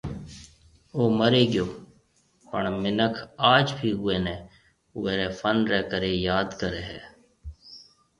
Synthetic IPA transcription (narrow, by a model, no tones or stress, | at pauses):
oːməɾeːɡɪjoː | pəɳmɪnəkʰaːd͡ʒbʱiːɦʊeːneː | ʊeːɾeːfʰənɾɛːkəɾeːjaːd̪kəɾeːɦɛː